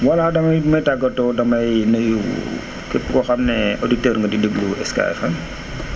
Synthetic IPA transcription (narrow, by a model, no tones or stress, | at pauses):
wɐladɐmɐjmɐjtaɡɐtɔdɐmɐjnɐju | kəpːukɔxɐmnɛoditəːɾŋɡɐdidəɡluɛska̰jfɐ